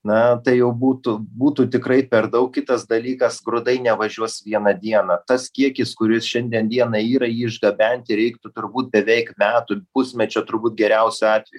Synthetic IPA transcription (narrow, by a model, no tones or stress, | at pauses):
nɐt̪ɐɪjɛʊbuːt̪ʊbuːt̪uːt̪ʲɪkɾɐɪpʲɛɾd̪ɐʊkkʲɪt̪ɐsd̪ɐlʲiːkɐsɡɾʊd̪ɐɪnʲɛʋɐʒʲuɔsʋʲiɛnɐd̪ʲiɛnɐt̪ɐskʲiɛkʲɪskʊɾʲɪsʃʲɛnʲd̪ʲiɛnd̪ʲiɛnɐiːɾɐiːɪʒɡɐbʲɛnʲt̪ʲɪɾʲɛɪkt̪ʊt̪ʊrbuːt̪̚bʲɛʋʲɛɪkmʲæːt̪ʊpʊsʲmʲɛt͡ʃʲoːt̪ʊɾbuːt̪̚ɡʲɛɾʲɛʊsʲʊɑːt̪ʲʋʲɛju